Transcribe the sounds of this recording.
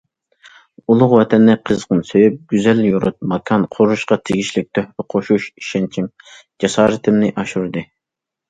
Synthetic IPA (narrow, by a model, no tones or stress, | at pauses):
ulˠʊχwɛt̪ʰɛnːɪqʰəzqənsøjyp̚ɡ̥ʲyzɛljuɾṵt̪̚mɑkʰɑnqʰoɾuʃqɑt̪ʰɪɡʲiʃlɪk̚ʲt̪ʰøhɾɪqʰoʃuʃi̥ʃɛnt͡ʃʰim | d͡ʒɑsɑːɾɨt̪ʰɪmnɪʔɑʃuɾd̪ɨ